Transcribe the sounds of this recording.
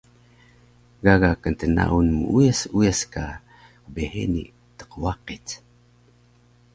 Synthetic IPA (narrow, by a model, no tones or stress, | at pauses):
ɡaɣakənt̪əna̰ʔunmuʔujasujaska | əbehḛnḭʔ | t̪ə̥qwaqit͡s